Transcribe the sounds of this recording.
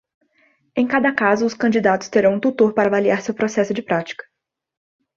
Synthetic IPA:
ẽj̃kad̪ɐkazʊːskɐ̃nd͡ʒid̪at̪ʊ̥st̪eɾɐ̃w̃ũt̪ut̪oɾpaɾɐavaliaɾsewpɾosɛsʊd͡ʒɪpɾat͡ʃi̥kɐ̥

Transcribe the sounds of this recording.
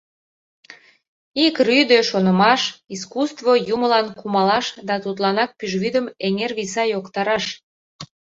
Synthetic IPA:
ikryd̪øʃonəmɑʃiskust̪vojuməlɑnkumɑlɑʃd̪ɑt̪ut̪lɑnɑk̚pyʒβyd̪əmeŋerβisɑjokt̪ɑɾɑʃ

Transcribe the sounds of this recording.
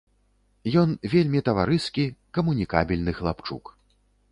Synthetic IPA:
jɔnvʲelʲmʲit̪ɐvaɾɨskʲikɐmunʲikabʲilʲnɨxlˠapt͡ʂṵk

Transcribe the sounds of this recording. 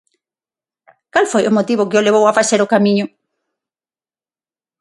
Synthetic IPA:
kalfojomot̪iβokɪoleβowafaseɾokamĩɲʊ

